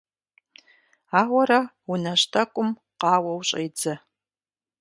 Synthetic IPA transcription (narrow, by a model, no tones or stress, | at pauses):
aːʁʷɐɾɐ | ʊnɐɕtʰɐkʷʼʊm | qɑːwɐwɕʼejd͡zɐ